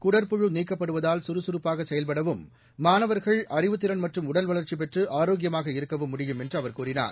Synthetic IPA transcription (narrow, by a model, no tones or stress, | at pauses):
kʊɽɐɾpʊɻɯniːkːɐpːɐɽɯʋɐðaːlsʊɾɯsʊɾɯpːaːɣɐsɛjɐlpɐɽɐʋɯmː | aːnɐʋɐɾɣɐɭʔɐɾɪʋɯt̪ːɪɾɐnmɐʈrɯmʊɽɐlʋɐɭɐɾt͡ʃip̬ɛʈrɯʔaːɾoːɡɪjɐmaːɣɐɪɾɯkːɐʋɯmːʊɽɪjɯmɛndrɯɐʋɐɾkuːɾɪna̰ːɾ